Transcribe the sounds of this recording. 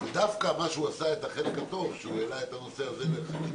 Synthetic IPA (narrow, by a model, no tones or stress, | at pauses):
d̪afkamaʃuasae̞t̪aχe̞lekat̪o̞vʃeuelaet̪ano̞seaze̞leχani